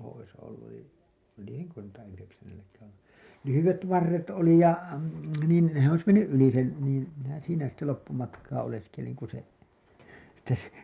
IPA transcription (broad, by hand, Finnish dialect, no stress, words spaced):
ois olːuj jo lieneŋkø tuotɑ yheksænːelːækæːæ̃ olːu lyhyʋet ʋɑrːet oli jɑ niːn se ois menːyʔ ʔyli sen niːn minæ siːnæ sitːe lopːumɑtkɑː oleskeliŋ ku se sitːe se